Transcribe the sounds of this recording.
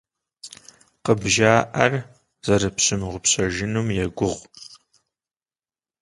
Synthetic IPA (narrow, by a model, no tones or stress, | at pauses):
qəbʒaːʔɐr | z̥ɐɾɨpɕɨmʁʷʊpɕɐʒɪnumjɛɡʷʊʁʷ